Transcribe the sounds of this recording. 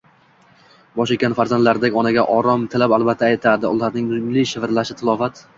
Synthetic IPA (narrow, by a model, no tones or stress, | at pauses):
bɒʃɪkʲanfaɾzand̪laɾd̪akʲɒnaɡʲaʔɒɾɒmt̪ʰɪlapalˠbat̪ʰːaːjt̪ʰad̪ɪʊlaɾnɪŋnʊmliʃɪvɾlaʃɪt̪ʰɪlˠɒfat̪